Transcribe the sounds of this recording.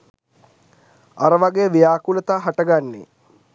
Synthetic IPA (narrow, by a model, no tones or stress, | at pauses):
aɾəʋaɡejəʋijaːkulət̪aːɦaʈəɡanːḛ